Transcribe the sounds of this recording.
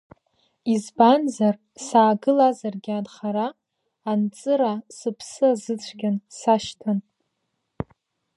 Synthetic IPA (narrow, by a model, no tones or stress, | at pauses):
izbanzar | saːɡɨlazarɡʲadχaɾaː | nt͡sʼɨɾasɨpʰsɨazɨt͡sʷʰɡʲansaʃtʰan